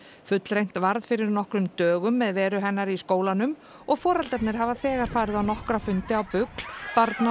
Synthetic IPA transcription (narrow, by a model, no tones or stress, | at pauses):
fʏt̪lɾejn̥t̪vaɾðfɪɾɪɾnɔhkɾʏmt̪œːɣʏmːɛðvɛːɾʏɦɛnːaɾiskoːwlanʏm | ɔɣfɔːɾalt̪ɛp̚nɪɾ̥ɦavaθɛːɣaɾ̥faːɾɪðawnɔhkɾafʏnt̪ɪawpʏkl̥paɾt̪na